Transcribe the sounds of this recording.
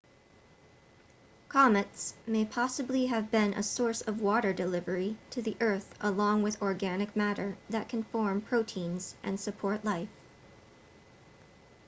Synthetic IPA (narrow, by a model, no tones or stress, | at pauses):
kʰɑmɨtsmeɪpʰɑsɨbliɨvbɪ̃nʔə̰sɔɹsʌvwɔɾə˞dɨlɪvə˞iɾɨðiʔɜ˞θʔəlɔ̃ŋwɨðɔɹɡænɨk̚mæɾə˞ðɨt̚kʰɨ̃n̩fɔɹmpʰɹ̥oʊtʰĩnz̥ʔɨ̰̃nsɨpʰɔɹʔˡlaɪf